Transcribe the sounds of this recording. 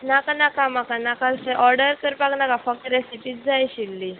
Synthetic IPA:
nakanakamakanakalsɛʔɔɾɖəɾkəɾpaknakafək̚t̪ɾesipiːt̪̚d͡zajɕilːi

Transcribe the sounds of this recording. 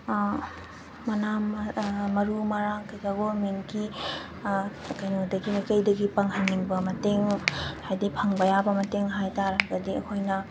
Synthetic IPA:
mɐnammɐɾumɐɾaŋkɐjzaɡolmenki | kajnodɐɡimikəjdɐɡipɐŋɦanːiŋbɐmɐteŋhajdipʰɐŋbɐjabɐmɐteŋɦajtaɾɐɡɐdiɐkʰojnɐ

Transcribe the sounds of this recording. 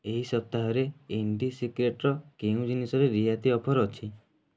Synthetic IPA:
eɦisɔp̚t̪aɦɔɾeeɳɖisikɾeʈɾɔkeũd͡ʒinisɔɾeɾiɦat̪iɔpʰɔɾɔt͡ʃʰi

